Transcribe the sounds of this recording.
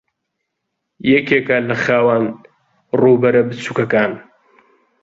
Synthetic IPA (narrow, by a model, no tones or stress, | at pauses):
jɛkeːkɐlɐχaːwan | ruːbɐɾɐbɨt͡suːkɐkaːn